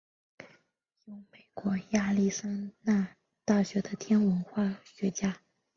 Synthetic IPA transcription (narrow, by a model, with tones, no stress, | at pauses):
jo˥˩ʊme˨˩ɪkwɔ˧˥ja˥˧li˥˩sa˥nna˥˧ | t̪a˥˩ɕɥɛ˧˥d̪ə˧t̪ʰjɛ˥nwə˧˥nxwa˥˩ɕɥɛ˧˥t͡ɕja˥